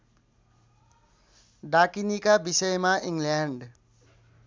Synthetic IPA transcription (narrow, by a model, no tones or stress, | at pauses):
ɖakinikabisʌjmaʔiŋljaɳɖ